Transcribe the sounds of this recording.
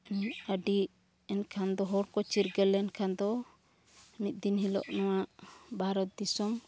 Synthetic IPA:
aɖi | ɛnkʰand̪ɔɦɔɾkɔt͡ʃiɾɡɛlɛnkʰand̪ɔ | mit̪̚d̪inɦilɔ̰ʔnɔwaʔbaɾɔt̪̚d̪isɔm

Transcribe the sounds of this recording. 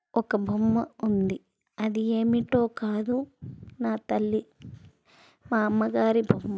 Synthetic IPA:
ɔkːɐbʱɐmːɐund̪i | ɐd̪ieːmiʈːoːkaːd̪unaːt̪ɐlːi | maːmːɐɡaːɾibʱɐmːɐ

